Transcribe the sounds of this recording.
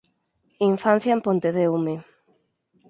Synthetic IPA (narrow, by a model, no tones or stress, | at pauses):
iɱfan̟θjaempont̪eðeume